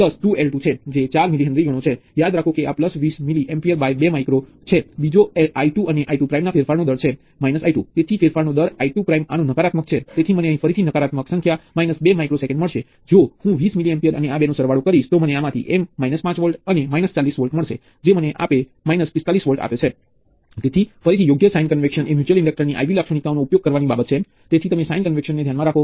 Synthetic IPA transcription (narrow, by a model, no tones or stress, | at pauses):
ləsʈuelʈut͡ʃʰed͡ʒet͡ʃaɾmiliɦə̃nd̪ɾiɡʱəɽ̃ot͡ʃʰejad̪ɾakʰokeapləsʋismiliʔempiəɾbajbemajkɾo | t͡ʃʰebid͡ʒoeaiʈuəneʔaiʈupɾaimnafeɾfaɾnod̪əɾt͡ʃʰe | mainəsajʈut̪et̪ʰifeɾfaɾnod̪əɾaiʈupɾaimanũnəkaɾat̪mək̚t͡ʃʰet̪et̪ʰiməneəɦĩfəɾit̪ʰinəkaɾat̪məksə̃ŋkʰjamainəsbemajkɾosekə̃ɳɖməɭʃe | d͡ʒohũʋismilijənpiəɾə̰neabenõsəɾʋaɽukəɾiʃt̪oməneamãt̪ʰḭʔemːainəspãt͡ʃʋəɭʈənemainəst͡ʃalːisʋəlʈməɭʃe | d͡ʒeməneʔa̰pe | mainəspɪst̪alisʋəlʈa̰pet͡ʃʰe | t̪et̪ʰifəɾit̪ʰijoɡjəsajnkənʋekʃənemjut͡ʃuəlĩɳɖək̚ʈəɾniʔa̰jʋilakʃəɽ̃ik̪aonoupjoɡ̚kəɾʋanibabət̪̚t͡ʃʰe | t̪et̪ʰit̪əmesajĩnkənʋekʃənːed̪ʱjanmãɾakʰo